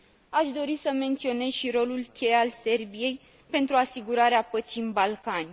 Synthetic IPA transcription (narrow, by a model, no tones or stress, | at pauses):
aʃd̪o̞ɾisəme̞nt̪sio̞ne̞zʃiɾo̞lulkʲe̞jalse̞rbije̞j | pe̞nt̪ɾuasiɡuɾaɾeapət̪t͡ʃinbalkanʲ